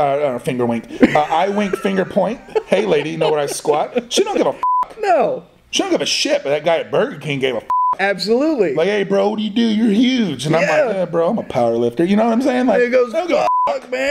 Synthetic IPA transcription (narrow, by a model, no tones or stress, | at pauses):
ʌ̃nofɪ̃ŋɡə˞wɪ̃ŋkʌʔaɪwɪ̃ŋkfɪ̃ŋɡə˞pʰɔ̃ɪ̃nt̚heɪleɪɾijɨnoʊwʌɾaɪskwɑt̚ʃiidõʊ̃ɡɪvəfʌknoʊ | ʃid̥õʊ̃nɡɪvɨʃɪt̚b̥ʌt̪̚ðɨt̚ɡ̥aɪɨt̚b̥ɜ˞ɡjɨkʰæ̃nɡ̥eɪvəfʌkæb̥səlutˡlilaɪkheɪbɹoʊwʌɨdʉjə˞hjʉd͡ʒɨ̃nãɪmlaɪbɹoʊãɪ̃məpʰaʊə˞lɪftə˞jɨñoʊwʌ̃nãɪmseɪɪ̃ŋlaɪɡoʊzdõʊ̃nɡɪfʌkmæ̃